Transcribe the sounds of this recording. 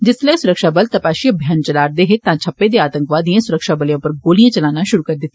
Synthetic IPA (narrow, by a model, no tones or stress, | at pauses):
d͡ʒɪsləesʊɾəkʃaːbəlt̪əpaːʃiəbʱjaːnt͡ʃəlaːɾd̪eːɦɪt̪ãːt͡ʃʰəpːeːd̪eːaːt̪ə̃ŋkʋaːd̪iãːsʊɾəkʃaːbəljãːpəɾɡoːlijãːt͡ʃəlaːnaːʃʊɾuːkəɾd̪ɪt̪ː